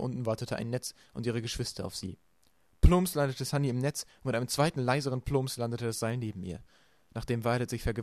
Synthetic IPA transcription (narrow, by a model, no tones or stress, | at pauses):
ʔʊ̰ntn̩vaɐtətʰəʔa̰ɪnːɛt͡s | ʔʊntiːʁ̞əɡəʃv̥ɪstʰɐa̰ʊfz̥ḭː | pʰloːmslandətəshaniɪmnɛt͡sʊntmɪtaɪnəmt͡sv̥aɪtn̩laɪzəʁənpʰl̥oːmslandətədasz̥aɪlneːbm̩ḭːɐ | naːχd̥eːmvaɪlətz̥ɪçfɛɐɡə